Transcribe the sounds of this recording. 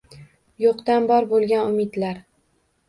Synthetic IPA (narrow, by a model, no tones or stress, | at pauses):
joqt̪anbɒɾbolˠɡʲanʊmɪd̪laɾ